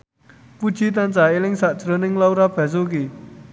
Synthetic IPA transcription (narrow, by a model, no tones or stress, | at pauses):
pud͡ʒit̪̬ant͡saelɪŋsaʔt͡ʃɾənɪŋlawɾab̥azok̬i